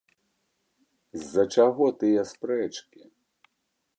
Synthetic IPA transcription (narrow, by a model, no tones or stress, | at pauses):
zːɐt͡ʃaɣɔt̪ɨjɐspɾɛt͡ʂkʲi